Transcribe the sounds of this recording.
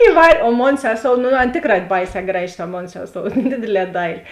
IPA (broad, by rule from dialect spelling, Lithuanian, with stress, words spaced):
ɪˈʋɐrʲ oː ˈmoːn ˈsʲæːˌsoːʊ nʊ ˈɐn ˈtʲeːkˌrɑː ˈbɐɪˌsʲɛː ˈɡrɑːˌʒʲɪ tɐ ˈmoːn ˈsʲæːˌsoːʊ ˈdʲeːdʲeːˌlʲɛː ˈdɐɪlʲɪ